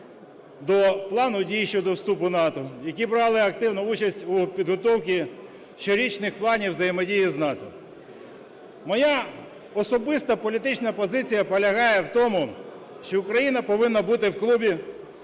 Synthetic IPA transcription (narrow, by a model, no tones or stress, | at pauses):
d̪ɔplˠɑnʊdʲijʃt͡ʃɔd̪ɔwst̪upʊnɑt̪ɔjɐkʲibɾɑlˠɪɐkt̪ɪwnʊut͡ʃɐsʲtʲupʲid̪ɦɔt̪ɔwkʲi | ʃt͡ʃɔɾʲit͡ʃnɪxplˠɑnʲiwzɐjemɔdʲijiznɑt̪ɔ | mɔja | ɔsɔbɪst̪ɐpɔlʲit̪ɪt͡ʃnɐpɔzɪt͡sʲijɐpɔlʲɐɦɑjɛwt̪ɔmʊ | ʃt͡ʃɔʊkɾɐjinɐpɔʋɪnːɐbut̪ɪwklˠubʲi